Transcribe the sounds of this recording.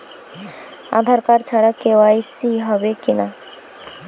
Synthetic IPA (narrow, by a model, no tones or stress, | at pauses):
a̰d̪ʱaɾkaɾt͡ɕʰaɾakeoajsiɦɔbekina